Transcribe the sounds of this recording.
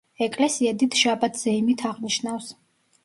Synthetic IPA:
ɛkʼlɛsiɛd̪it̪ʰʃabat̪ʰz̥ɛimit̪ʰaʁniʃnafs

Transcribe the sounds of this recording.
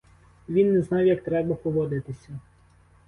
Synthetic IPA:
ʋʲinːɛznɑwjɐkt̪ɾɛbɐpɔʋɔd̪ɪt̪ɪsʲɐ

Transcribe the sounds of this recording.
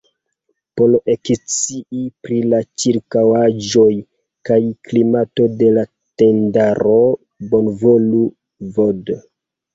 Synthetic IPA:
polekt͡siʔipɾilat͡ʃiɾkawad͡ʒo̞j | kajklimato̞de̞la | te̞ndaɾo | bonvolu | vod

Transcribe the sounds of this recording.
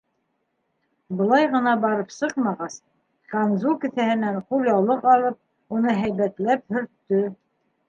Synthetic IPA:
bɤ̆lˠɑjʁɤ̆nɑbɑɾɤpsɤqmɑʁɑs | kanzukɘ̆θæhɘ̆næɴχulʲjɑwlˠɤqɑlˠɤp̚ | unɤɦæjβæt̪læp̚hɵ̆ɾt̪ːɵ

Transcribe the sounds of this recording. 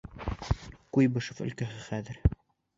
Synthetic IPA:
kujbɤʃɤfɵ̰̆lkæɦɘχæðɘɾ

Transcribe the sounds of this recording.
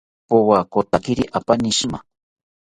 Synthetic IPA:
powakot̪akɪɾɪʔapanɪʃma̰

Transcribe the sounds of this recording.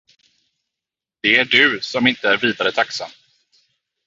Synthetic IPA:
d̪̥ɛæɖɵsɔmɪnt̪əæɾviːd̪aɾət̪ʰaksa̰m

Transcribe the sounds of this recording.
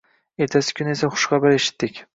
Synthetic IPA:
e̞ɾt̪ʰasɪ̥kʰʲʊne̞saχʊ̥ʃqɑbɪɾeʃɪ̥t̪ːɪkʲ

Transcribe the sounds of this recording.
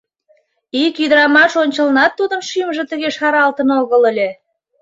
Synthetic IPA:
ikjyd̪əɾɑmɑʃonʲt͡ɕəlnɑt̪ːud̪ənʃymʒĕt̪ə̆ɣeʃɑɾɑlt̪ənolɣələlʲe

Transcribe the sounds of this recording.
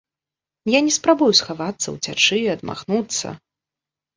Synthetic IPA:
janʲɛspɾabujusxavat̪sːɐ̰wt͡sʲat͡ʂɨɐd̪ma̰xnut̪sːɐ̰

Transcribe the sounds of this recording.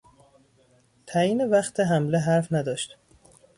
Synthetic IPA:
t̪ʰæjiːnevæxt̪ʰeɦæmleɦæɾfnæd̪ɒːʃt̪

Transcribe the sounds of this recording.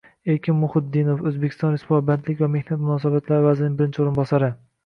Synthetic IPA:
eɾkʲʰɪmːʊχɪd̪ːɪnofɵzbekʲʰɪst̪ɒnɾespuabant̪lɪkʲvamehnat̪̚mʊnɒːsabat̪laɾɪvazɪnɪŋbɪɾɪnt͡ʃʰoɾɪnbɒsaɾɪ

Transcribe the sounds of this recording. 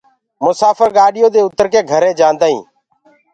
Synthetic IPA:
mʊsaːfʰəɾɡaːɗɪjõːd̪eːʊt̪əɾkeːɡʱəɾẽːd͡ʒãːnd̪aːɦḭ̃ː

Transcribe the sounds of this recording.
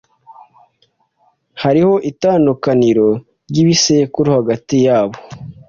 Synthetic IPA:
haɾiho̞ʔitaːnukaniɾo̞ | ɾɟiβisekuɾihaɡatijaːβo̥

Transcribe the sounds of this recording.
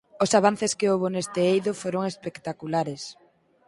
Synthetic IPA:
ʊsaβ̞an̟θeskɪowβonest̪eejðofoɾoŋespekt̪akulaɾes

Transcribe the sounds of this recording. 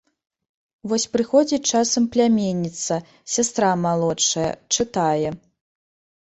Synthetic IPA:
vɔsʲpɾɨxɔd͡zʲit͡ʂasɐmplʲamʲenʲːit̪sɐ | sʲast̪ɾamalˠɔt͡ʂɐjɐ̰t͡ʂɨt̪ajɛ

